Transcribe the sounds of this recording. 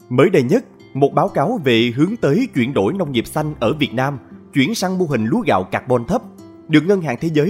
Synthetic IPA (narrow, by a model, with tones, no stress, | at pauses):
məː˨˦jɗə˨˩jɲə˦˥t̚ | mo˨˩t̚ɓaː˨˦wkaː˨˦wve˨˩ɦɨ˨˦əŋt̪əː˨˦jt͡ɕwi˧˩ənɗo̰˧˩jnə˧wŋ͡mŋi˨˩p̚sa˧jŋ̟ʔəː˧˩vi˨˩ət̚naː˧mt͡ɕwi˧˩ənsaː˧ŋmo˧ɦï˨˩ŋ̟lu˨˦əɣa̰ː˧˨wkaː˨˩k̚ɓɔ˧˩nt̪ʰə˦˥p̚ | ɗɨ˨˩ək̚ŋə˧nɦa̰ː˧˨ŋt̪ʰe˨˦zəː˨˦